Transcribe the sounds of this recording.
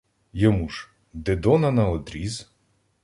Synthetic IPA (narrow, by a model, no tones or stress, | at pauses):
jɔmuʒ | d̪ɪd̪ɔnɐnɐɔd̪ɾʲiz